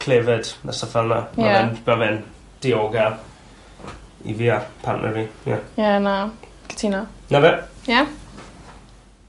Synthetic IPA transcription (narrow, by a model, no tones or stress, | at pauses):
kʰl̥evɛd̥na̰səfɛlˠnamaɛnmavɛn | d̥ɪoːɡa | ḭviapʰa̰nʔɛ̰vija̰jana | kɪ̥tʰinanavɛja